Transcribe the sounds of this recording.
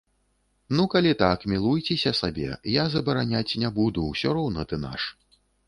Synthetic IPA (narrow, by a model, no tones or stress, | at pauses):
nukalʲit̪akmʲilˠujt͡sʲɛsʲɐsabʲɛ̰jazɐbɐɾanʲat͡sʲnʲabud̪uwsʲɔɾɔwnɐt̪ɨna̰ʂ